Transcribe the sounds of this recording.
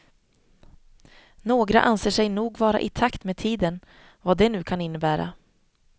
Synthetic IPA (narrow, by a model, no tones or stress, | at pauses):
noːɡɾa̰ʔanseːʂɛjnuːɡvɑːɾa̰ʔɪt̪ʰakt̪meːd̪̚t̪ʰiːd̪ən | vaːd̪ɛnʉ̟ːkʰanɪnːəbæːɾa̰